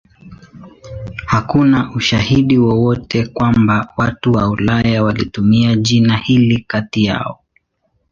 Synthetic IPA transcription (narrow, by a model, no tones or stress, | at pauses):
hakunaʔuʃahiɗiwɔwɔtʰɛkwambawatuwaulajawalitumiaʄinahilikatija̰ɔ